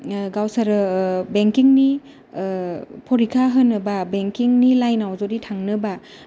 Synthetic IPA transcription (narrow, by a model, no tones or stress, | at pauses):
ɡawsaɾɯbeŋkiŋni | pʰɔɾikʰaɦənːɯbabeŋkiŋnilajnawd͡ʒoɾitʰaŋnɯba